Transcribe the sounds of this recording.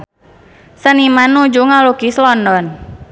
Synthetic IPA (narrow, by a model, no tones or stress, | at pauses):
sənimanːud͡ʒuŋalukislɔndɔn